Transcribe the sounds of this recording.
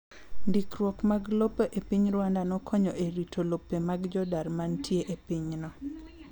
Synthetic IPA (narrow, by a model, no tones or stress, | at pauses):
ndikɾwɔkmaɡlopeʔepiɲɾwandanɔkʰɔɲɔʔeɾitʰolopːemaɡd͡ʒɔdarmantʰjeʔepiɲnɔ